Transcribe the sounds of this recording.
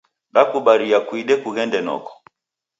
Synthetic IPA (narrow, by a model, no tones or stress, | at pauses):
ɗakuɓaɾiakwiɗɛkuɣɛndɛnɔ̰kɔ̥